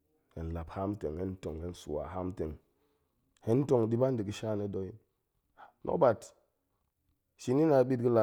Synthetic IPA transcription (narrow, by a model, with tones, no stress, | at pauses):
he˨n˨la˨pha˦m˦te˨ŋe˦n˦to˨ŋe˦n˦su˨wa̰˨ɦa˦mte˨ŋ | he˦n˦to˦˨ŋdi˦ba˦ndi˨ɡi˦ʃa˦˨ne˦do˦ji˦n˨ | nʔo̰˦ba˨t | ʃi˦ni˦na˨˦bi˦t̚ɡi˦la˨